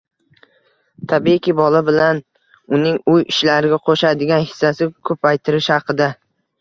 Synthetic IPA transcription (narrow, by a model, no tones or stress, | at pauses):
t̪ʰabikʲɪbɒlabɪlan | ʊnɪŋʊjɪʃlaɾɪɡʲaqʰoʃad̪ɪɡʲanhɪ̥sːasɪkʰɵpajt̪ʰɪɾɪʃhɑqɨd̪a